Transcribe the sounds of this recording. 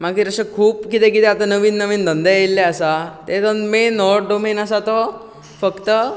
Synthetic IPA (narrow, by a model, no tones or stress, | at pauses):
maɡiɾəsəkʰuːpkit̪ekit̪ɛat̪anəʋiːnːəʋiːnd̪ənd̪ejilːɛəsat̪et̪ənmenːɔɖomenəsat̪ɔ | fəkt̪ə